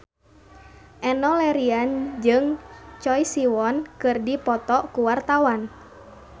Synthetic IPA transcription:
ʔɛnɔlɛɾiand͡ʒɨŋt͡ʃɔjsiwɔnkɨrdipɔt̪ɔkuwart̪awan

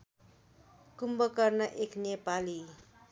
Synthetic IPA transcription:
kumbʌkʌrnʌʔeknepali

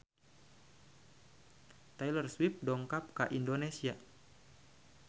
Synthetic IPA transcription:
t̪ajlərswip̚dɔŋkap̚ka̰ʔindonesia

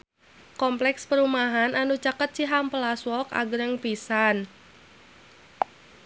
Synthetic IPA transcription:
kɔmplɛkspəɾumaɦananut͡ʃakət̪̚t͡ʃiɦampəlaswɔka̰ɡɾəŋpisan

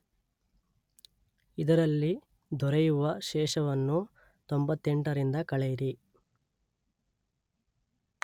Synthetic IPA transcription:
id̪ɐɾɐlːi | d̪ʱɔɾejuʋɐʃɛːʃɐʋɐnːu | t̪ombɐt̪ːeɳʈɐɾind̪ɐkɐɭɛjiɾi

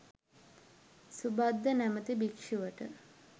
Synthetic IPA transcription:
subad̪ːənæmət̪ibikʂuʋəʈə

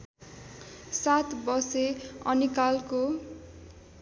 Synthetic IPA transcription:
sat̪ʰbʌseʌ̰nikalko

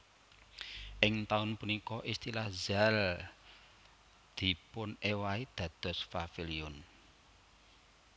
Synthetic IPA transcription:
ʔɪŋt̪aʊnpunikɔʔist̪ilahzal | d̪̥i̤pʊnewaid̪̥ä̤d̪̥ɔ̤sfafiliʊn

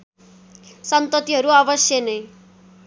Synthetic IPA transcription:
sʌnt̪ʌt̪iɦʌɾuʌbʌsjʌnʌj

